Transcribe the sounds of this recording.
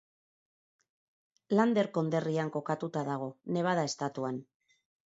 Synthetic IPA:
land̪e̞ɾko̞nd̪e̞riaŋko̞kat̪ut̪aðaɣ̞o̞ne̞βaðae̞st̪at̪uan

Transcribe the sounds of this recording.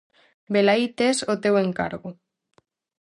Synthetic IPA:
belajt̪esot̪ewe̞ŋka̰ɾɣu

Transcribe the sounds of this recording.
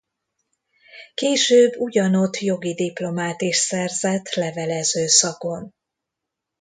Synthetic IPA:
keːʃøːbːuɟɒno̞t̪ːjo̞ɡid̪iplo̞maːt̪iʃsɛrzɛt̪lɛvɛlɛzøːsɒko̞n

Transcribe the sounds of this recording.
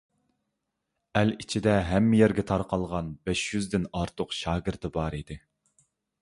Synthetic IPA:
ælit͡ʃʰid̪ɛɦɛmːɪjɛɾɡʲɛt̪ʰɑɾqɑlˠʁɑnbɛʃjyzd̪ɪnɑɾt̪ʰʊqʃɑːɡʲɪɾt̪ɨbɑɾid̪ɪ

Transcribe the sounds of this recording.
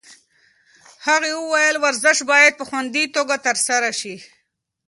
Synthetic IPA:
haɣewəwajəlwaɾzɪʃbɑjad̪̚pəxwand̪it̪oɡat̪əɾsaɾaʃi

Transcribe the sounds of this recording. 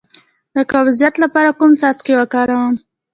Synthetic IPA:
d̪əkawzijat̪lapɑɾakumt͡sɑt͡skewakɑɾawam

